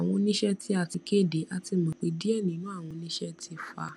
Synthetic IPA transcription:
w̃ɔ̃˧nĩ˦ʃɛ˦ti˧a˧˨ti˧ke˦˨de˨˦ʔa˧ti˧mɔ̃˨k͡pe˧˦di˦ɛ˦˨nĩ˨˦nũ˦a˦˨w̃ɔ̃˧nĩ˦ʃɛ˦tʰi˧fa̰˧

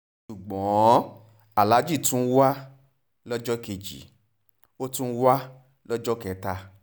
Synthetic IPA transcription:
ʃu˨ɡ͡bɔ̃˨˦ | a˨la˨˦d͡ʒi˦˨tũ˦wa˦ | lɔ˦d͡ʒɔ˦ke˧d͡ʒḭ˨ | o˦tũ˦wa˦ | lɔ˦d͡ʒɔ˦kɛ˧ta˧

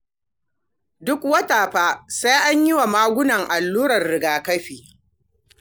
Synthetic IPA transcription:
dʊ˦kwɐ˦taː˨ɸaː˦sa˦jʔa˦ɲjɪ˦wa˨maː˦ɡʷʊ˦nɐ˨ŋʔa˨lːuː˦ɾɐ˨rːɪ˨ɡaː˨kɐ˦ɸiː˨

